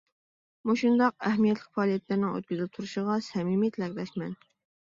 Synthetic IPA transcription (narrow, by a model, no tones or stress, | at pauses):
muʃund̪ɑqɛɦmijɛt̪lɪkʲfɑːlˠijɛt̪læɾnɪŋø̰t̪̚kʲyzɪp̚t̪ʰuɾuʃɪʁɑsɛmimjet̪ʰlɛkʲlɛʃmɛn